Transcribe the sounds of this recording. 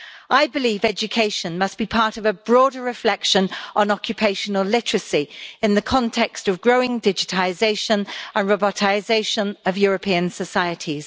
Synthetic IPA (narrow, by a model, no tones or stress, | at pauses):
ʔaɪbɪliːvɛd͡ʒəkʰeɪʃə̃nmʌsb̥ipʰɑˑtəvəbɹɔːdəɹɪflɛkʃə̃nʔə̃nɒkʰjəpʰeɪʃənəlˠlɪtəɹəsiɪ̃nðəkʰɒ̃ntʰɛkstəvɡɹəʊɪ̃ŋdɪd͡ʒɪtʰlɪzeɪʃə̃nə̃nɹɒbɒtʰaɪzeɪʃə̃nəvjɔːɹəpʰiə̃nsəsaɪətʰiz̥